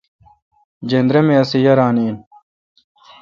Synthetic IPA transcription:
d͡ʑend̪ɾemeɐsijɐɾaːniːn

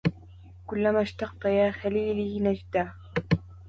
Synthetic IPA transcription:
kʊlːamaʃt̪ɑq̚t̪ˤɑjaːxaliːlɪnad͡ʒd̪aː

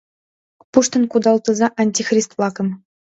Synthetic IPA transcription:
puʂt̪ɤ̆nkud̪ɑlˠt̪ɤ̆zɑʔɑnʲtʲixrʲist̪vlˠɑkɤ̆m

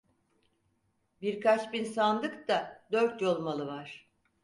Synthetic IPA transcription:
biɾkʰat͡ʃbinsand̪ɯkt̪ad̪øɾt̪jo̞lˠmalˠɯvaɾ̥

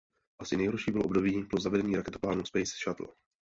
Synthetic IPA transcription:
ʔasɪnɛjɦoɾʃiːbɪloo̞bdo̞biːbɪlozavɛdɛɲiːɾakɛt̪o̥plaːnuspɛjsʃat̪l̩

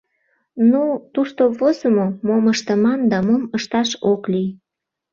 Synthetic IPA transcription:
nut̪uʃt̪oβozəmomoməʃt̪əmɑnd̪ɑmoməʃt̪ɑʃoklij

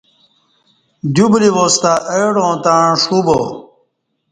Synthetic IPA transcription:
d̪jubliʋost̪aʔejɽõːt̪ãʂubo̰

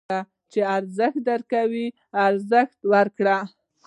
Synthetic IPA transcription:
a | t͡ʃeaɾzəxt̪̚d̪əɾkawi | aɾzəxt̪wəɾkɽa

